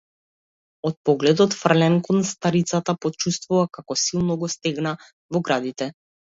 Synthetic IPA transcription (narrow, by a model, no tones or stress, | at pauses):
ɔt̪̚pɔɡlɛd̪ɔt̪fr̩lɛnkɔnst̪aɾit̪sat̪apɔt͡ʃust̪vuvakakɔsilˠnɔɡɔst̪ɛɡna | vɔɡɾad̪it̪ɛ